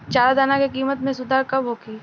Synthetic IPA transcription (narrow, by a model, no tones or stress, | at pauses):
t͡ʃaːlad̪aːnakekiːmət̪mẽsʊd̪ʱaːɾkɐbɦoːkiː